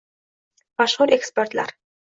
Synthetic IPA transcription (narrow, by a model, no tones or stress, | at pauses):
mɑʃχuɾeksport̪la̰ɾ